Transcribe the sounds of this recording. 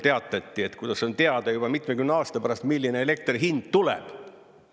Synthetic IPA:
t̪e̞ɑt̪ːˑɑt̪ʲːie̞t̪kujd̪ɑso̞nt̪e̞ɑd̪̥ɑjub̥ɑmit̪mekymneɑːst̪ɑpæɾɑst̪milːineele̞k̚t̪riɦind̪̥t̪ulḛb̥

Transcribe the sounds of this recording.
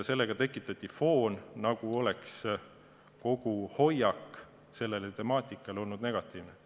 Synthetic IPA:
se̞lːeɡ̥ɑt̪e̞kːˑit̪ːˑɑt̪ʲˑːifo̞ːnnɑɡ̥uo̞le̞ks | ko̞ɡ̥uho̞jɑkː | se̞lːe̞let̪e̞mɑːt̪ʲˑikːˑɑlo̞lnud̪̥ne̞ɡ̥ɑt̪ˑiːvne

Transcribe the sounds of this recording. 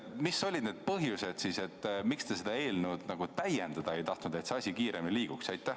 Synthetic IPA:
miso̞lʲid̪̥neːd̪̥̚pɤɦjuse̞d̪̥sise̞t̪ˑːmikst̪e̞sed̪̥ɑe̞ːlnud̪̥nɑɡ̥ut̪æjend̪ɑd̪̥ɑe̞jt̪ɑht̪nud̪̥e̞t̪se̞ɑsʲikiːɾeminiliːɡ̥uksɑjt̪ˑːæh

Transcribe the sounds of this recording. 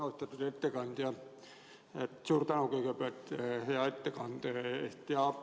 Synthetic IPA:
ost̪ɑt̪ːut̪et̪ːekɑnt̪jɑ | et̪suːrt̪ɑnokikøpæt̪hejɑet̪ːekɑnt̪eest̪ːiɑ

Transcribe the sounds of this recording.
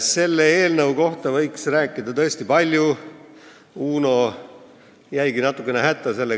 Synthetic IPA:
se̞lːee̞ːlnəwko̞ht̪ɑvɤjksræːkːˑid̪̥ɑt̪ɤ̞est̪ipɑlʲju | uːno̞ | jæjɡinɑt̪ːˑukːˑeneɦæt̪ˑːɑse̞lːe

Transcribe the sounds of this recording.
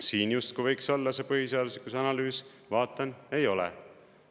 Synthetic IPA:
siːnjust̪̚kuvɤjkso̞lːɑse̞pɤɦiseɑd̪uslikːˑusɑnɑlyːs | vɑːt̪ːˑɑne̞jo̞lḛ

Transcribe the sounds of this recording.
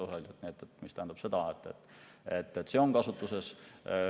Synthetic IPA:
uɦelʲut̪niet̪ːˑet̪mist̪æɦænd̪u̥pse̞d̪ɑet̪ːˑet̪ːˑet̪ːˑet̪ːseonkɑsut̪ːˑuses

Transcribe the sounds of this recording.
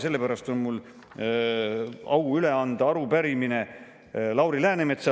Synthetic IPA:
se̞lːe̞pæɾɑst̪o̞nmul | ɑwyle̞ɑnd̪̥ɑɑɾupæɾimine̞ | lɑwɾilæːnemet̪sɑ

